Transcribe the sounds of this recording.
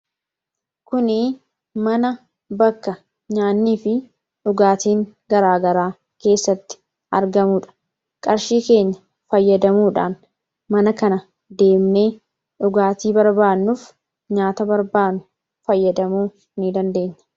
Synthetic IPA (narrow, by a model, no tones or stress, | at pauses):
kʊnɪ | mɐnɐ | bɐkːɐ | ɲaːnːiːfɪ | ᶑʊɡaːt̪iːŋɡɐɾaːɡɐɾaː | ke̞ːsːɐt̪ːɪ̥ | ɐ̰ɾɡɐmuːᶑɐ̥ | kʼɐɾʃiːke̞ːɲːɐ | fɐjːɐd̪ɐmuːᶑa̰ːn | mɐnɐkɐnɐ | d̪e̞ːmne̞ː | ᶑʊɡaːt̪iːbɐɾbaːnːuf | ɲaːt̪ɐbɐɾbaːnʊ | fɐjːɐd̪ɐmuː | nɪd̪ɐnd̪e̞ːɲːɐ